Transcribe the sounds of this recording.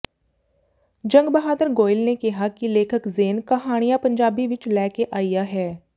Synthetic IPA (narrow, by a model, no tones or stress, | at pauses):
d͡ʒɐ̃ŋɡbɐɦaːd̪əɾɡoːɪlnekɐɦakileːkʰəkzeːnkɐɦaːɽ̃ijapɐ̃ɲd͡ʒaːbiʋɪt͡ʃlɛːkeʔaːijaɦɛː